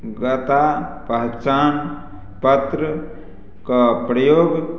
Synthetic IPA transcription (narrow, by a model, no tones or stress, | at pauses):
ɡət̪apəɦt͡ʃan | pət̪ɾə | kəpɾəjoɡ